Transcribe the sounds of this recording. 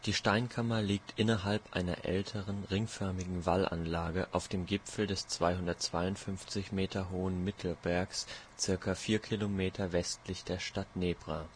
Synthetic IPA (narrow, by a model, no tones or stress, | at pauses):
d̥iːʃtaɪnkʰamɐliːk̚tʔɪnɐɦalpʔa̰ɪnɐ̰ʔɛ̰ltʰəʁənʁɪŋfœɐmɪɡŋ̩valʔa̰nlaːɡəʔa̰ʊfd̥eːmɡɪpfl̩dɛst͡sv̥aɪhʊndɐtt͡sv̥aɪʊntfʏnft͡sɪçmeːtʰɐɦoːənmɪtʰl̩bɛɐkst͡sɪɐkafiːɐkʰilomeːtʰɐvɛstlɪçd̥eːɐʃtatneːbʁa